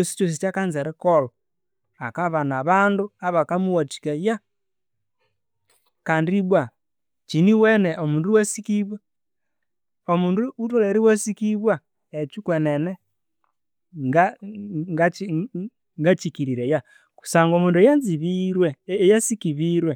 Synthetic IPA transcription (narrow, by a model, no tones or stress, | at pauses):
t͡ʃosi̥t͡ʃos̬it͡ʃakanzeɾɛkolɔ | akaβanaβaːnduaβakamuwati̥kaja | kaːndiβwa | t͡ʃiniwɛnɛʔomuːnduwasikiβwa | omuːnduutoleɾiwasikiβwa | et͡ʃukwenɛnɛ | ŋɡaŋɡai | ŋɡat͡ʃikiɾiɾeja | ku̥saŋɡomuːnduejanziβiɾwɛjasikiβiɾwe